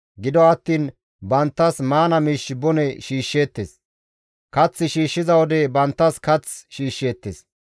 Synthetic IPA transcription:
ɡɪd̪ɔɐt̪ːiːn | bɐnt̪ːɐsmaːnɐmiːʃːɪbɔnɛʃiːʃːeːt̪ːes | kɐt͡sːɪʃiːʃːɪzɐwɔd̪ɛbɐnt̪ːɐskɐt͡sʃiːʃːeːt̪ːes

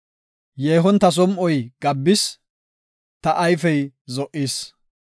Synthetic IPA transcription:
jeːɦɔnt̪ɐs̬ɔmʔɔjɡ̥ɐbːɪs | t̪ɐʔɐjfɛjzɔʔiːs

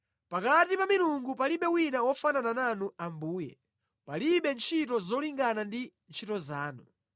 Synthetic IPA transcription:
pakatipamiluŋɡupaliɓɛwinawɔfananananuambuːjɛ̰ | paliɓɛnt͡ʃʰitɔzɔliŋɡanandint͡ʃʰitɔzaːnu

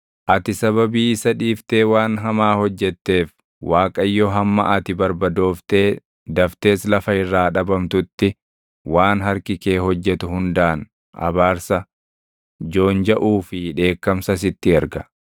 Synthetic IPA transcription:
ʔɐt̪ɪsɐβɐbiːɪsɐᶑiːft̪e̞ːwaːnɦɐmaːhɔd͡ʒːɛt̪ːe̞ːf | waːkʼɐjːɔɦɐmːɐ̰ʔɐt̪ɪbɐɾbɐd̪o̞ːft̪e̞ː | d̪ɐft̪e̞ːslɐfɐɪrːaːᶑɐbɐmt̪ʊt̪ːɪ | waːnɦɐɾkɪke̞ːɦɔd͡ʒːɛt̪ʊhʊnd̪aːn | ɐ̰baːɾsɐ | d͡ʒo̞ːnd͡ʒɐʔuːfɪᶑe̞ːkːɐmsɐs̬ɪt̪ːɪɛɾɡɐ

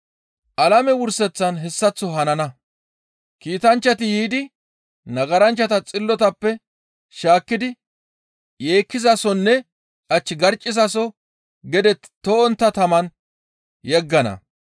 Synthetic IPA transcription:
ʔɐlɐmɛwʊɾsɛt͡sːɐnɦɛsːɐt͡sːɔɦɐnɐnɐ | kiːt̪ɐnt͡ʃːɐt̪ɪjiːd̪ɪ | nɐɡɐɾɐnt͡ʃːɐt̪ɐt͡sʼɪlːɔt̪ɐpːɛ | ʃaːkːɪd̪ɪ | je̞ːkːɪzɐsɔnːɛ | ʔɐt͡ʃːɪɡɐɾt͡ʃʼːɪzɐsɔ | ɡɛd̪ɛt̪t̪ːɔɔnt̪ːɐt̪ɐmɐn | jɛɡːɐnɐ̰

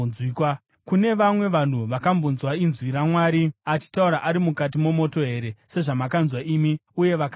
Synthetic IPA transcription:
ikwa | kune̞ʋamwe̞ʋan̤uʋakambunzwainzwiɾamwaːɾiat͡ʃi̥tauɾaʔaɾimukat̬imo̞mo̞to̞ɦe̞ɾe̞se̞ʐamakanzwaʔimiuje̞ʋaka

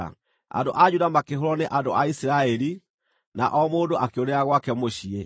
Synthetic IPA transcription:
a̰ndo̰ʔad͡ʑudamakeɦoɾɔneʔando̰aisiɾaɛli | na̰ʔɔmoːndoʔakeoɾɛaɣwakɛmoɕiɛ

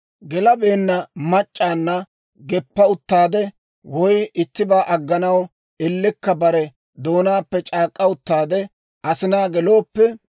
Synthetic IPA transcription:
ɡɛlɐbe̞ːnːɐmɐt͡ʃʼːaːnːɐ | ɡɛpːɐʊt̪ːaːd̪ɛ | wɔjɪt̪ːɪbaːʔɐɡːɐnɐw | ɛlːɪkːɐbɐɾɛ | d̪o̞ːnaːpːɛt͡ʃʼaːkʼːɐʊt̪ːaːd̪ɛ | ʔɐsɪnaːɡɛlo̞ːpːɛ

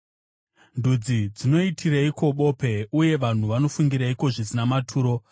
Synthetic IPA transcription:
ndud͡zid͡zino̞itʰiraiko̞ɓo̞pe̞uje̞ʋan̤uʋano̞fuŋɡiɾaiko̞ʐisinamatʰuːɾo̞

